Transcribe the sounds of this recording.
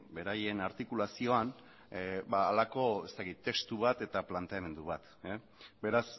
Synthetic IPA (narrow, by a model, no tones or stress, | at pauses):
be̞ɾaje̞naɾt̪ikulasio̞an | baːlako̞e̞st̪akit̪ːe̞kst̪uβ̞at̪e̞t̪aplant̪e̞ame̞nd̪uβ̞at̪ | be̞ɾas